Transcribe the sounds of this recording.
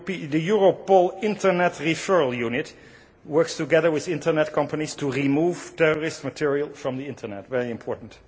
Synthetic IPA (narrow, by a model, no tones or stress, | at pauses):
ðɨjʊɹopɔlˠɪ̃ntʰə˞nɛtɹifɜ˞lˠjunɪt | wɜ˞kstɨɡɛðə˞wɪðɪ̃ntə˞nɛt̚kʰʌ̃mpənistʰəɹimuv̥tʰɛɹɔɹɪstmɨtʰɪɹiəlˠfɹʌ̃mðiɪ̃ntʰə˞nɛ̰tvɛɹiɨ̃mpʰɔɹʔn̩t